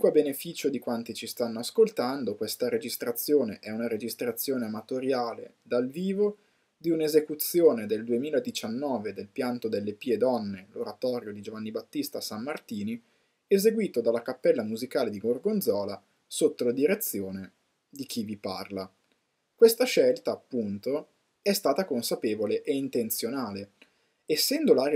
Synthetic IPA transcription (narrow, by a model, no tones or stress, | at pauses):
kwabenefiːt͡ʃod̪ikwant̪it͡ʃist̪anːoaskolt̪and̪okwest̪aɾed͡ʒist̪ɾat̪sːjoːneʔɛunaɾed͡ʒist̪ɾat̪sːjoːneamat̪oɾjaːlḛ | d̪alviːvo | d̪iunezekut̪sːjoːned̪eld̪uemiːlaed̪it͡ʃanːɔːved̪elpjant̪od̪elːepiːed̪ɔnːeloɾat̪ɔːɾjod̪id͡ʒovanːibat̪ːist̪asamːart̪iːni | ezeɡwiːt̪od̪alːakapːɛlːamuzikaːled̪iɡorɡond̪zɔːla | sot̪ːolad̪iɾet̪sːjoːne | d̪ik̟ivipa̰rla | kwest̪aʃɛlt̪aːpːunt̪o | ɛst̪aːt̪akonsapeːvoleʔeint̪ent̪sjonaːle | esːɛnd̪olaɾj